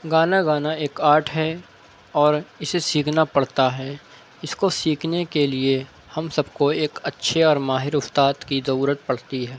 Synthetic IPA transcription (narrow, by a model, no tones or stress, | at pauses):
ɡaːnaɡaːnaeːkaːʈʰɦɛ | ɔːɾɪsesiːkʰnapɐɽ̤t̪aɦɛː | ɪskosiːkʰnekelie | hɐmsɐbkoeːkɐtːʃʰeɔːɾmaːɦɪɾʊst̪aːd̪kizɐɾuːɾət̪̚pɐɽ̤t̪iɦɛː